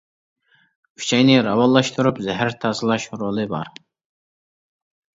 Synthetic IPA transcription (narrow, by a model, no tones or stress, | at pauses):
kʲʰy̥t͡ʃʰɛjnɪɾɑwɑlˠːɑʃt̪ʰuɾupzɛɦæɾt̪ʰɑzlˠɑʃɾolˠɨbɑ̰ɾ